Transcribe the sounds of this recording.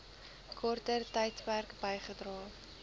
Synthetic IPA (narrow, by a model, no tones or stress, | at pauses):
kʰɔrtərtɐjtpærkbəjχədrɑː